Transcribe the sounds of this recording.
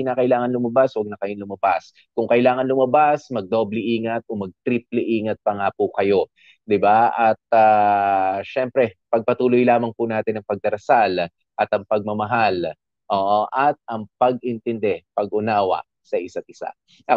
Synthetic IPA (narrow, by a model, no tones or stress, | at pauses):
ɪnakɐʔɪlaːŋɐnlʊmɐbaswɐɡ̚nɐkɐjolʊmɐbas | kʊŋkɐʔɪlaːŋɐnlʊmɐbasmɐɡ̚d̪o̞blɛʔiːŋɐt̪̚ʔomɐɡ̚t̪ɾiplɛʔiːŋɐt̪̚pɐŋapʊkɐjo̞ | d̪ɪbaʔɐt̪̚aː | ʃɛmpɾɛpɐɡ̚pɐt̪uːlojlaːmɐŋpʊnaːt̪ɪnɐŋpɐɡ̚d̪ɐɾɐsal | ʔɐt̪ɐŋpɐɡ̚mɐmɐɦal | ʔoːʔoʔɐt̪̚ʔɐŋpɐɡɪnt̪ɛnd̪ɛpɐɡʔʊnaːwɐ̰ | sɐʔɪsat̪̚ʔɪsa̰ | ʔɐ